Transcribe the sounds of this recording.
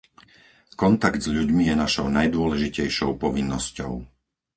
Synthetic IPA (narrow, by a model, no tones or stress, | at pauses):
kɔnt̪aɡd̪zʎuɟmijɛnaʃɔʊnajd̪ʊɔlɛʒicɛjʃɔʊpɔʋinːɔscɔ̰ʊ